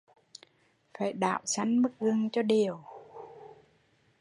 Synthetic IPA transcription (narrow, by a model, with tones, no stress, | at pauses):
faː˧˩jɗa̰ː˧˨wsa˧˦jŋmɨ˦˥k̚zɨ˧˩əŋt͡ɕɔ˧ɗi˨˩əw